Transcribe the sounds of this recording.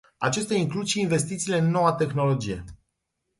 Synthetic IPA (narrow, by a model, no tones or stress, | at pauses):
a̰t͡ʃest̪eaiŋklud̪ʃiːnve̞st̪it̪siːle̞ɨnːo̞wat̪e̞xno̞lo̞d͡ʒije̞̰